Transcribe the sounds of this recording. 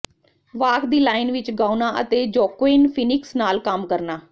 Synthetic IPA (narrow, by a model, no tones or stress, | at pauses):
ʋaːkd̪iːlaːɪnʋɪt͡ʃɡaːunaːʔə̰t̪eːd͡ʒɔːkweːnpʰɪnɪksnaːlkəmkəɾnaː